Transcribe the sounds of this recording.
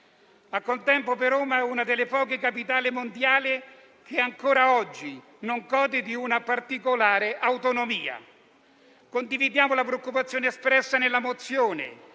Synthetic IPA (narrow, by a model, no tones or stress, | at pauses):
akːolt̪ɛmpopeɾoːmaɛunad̪elːepɔːkekapit̪aːlimond̪jaːli | k̟ʰeaŋkoːɾaɔd͡ʒːi | noŋkɔːd̪id̪iunapart̪ikolaːɾeʔawt̪onomiːa̰ | kond̪ivid̪jaːmolapɾeokːupat̪sːjoːneːspɾɛsːanelːamot̪sːjoːnḛ